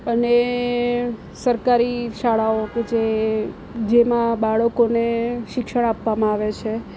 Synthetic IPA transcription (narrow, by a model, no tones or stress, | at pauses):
əne | səɾkaɾiʃaɭaoked͡ʒe | d͡ʒemãbaɭəkoneʃɪkʃəɽ̃apʋamãaʋet͡ʃʰe